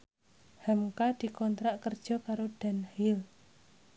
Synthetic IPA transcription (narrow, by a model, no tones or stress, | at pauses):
hamkad̪̥i̤kɔnt̪ɾaʔkərd̥ʒ̥ɔ̤kaɾoɖ̥a̤nhil